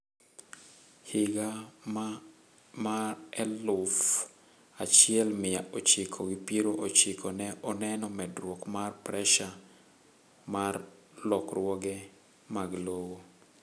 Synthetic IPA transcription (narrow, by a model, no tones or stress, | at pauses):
hɪɡa | maɛlʊf | at͡ʃɪɛlmɪjaʔot͡ʃɪkʰoɡipiɾoʔot͡ʃɪkʰɔnɛʔɔnɛnɔmɛdɾwɔkmarpɾɛʃa | mar | lɔkrwɔɡɛ | maɡlowo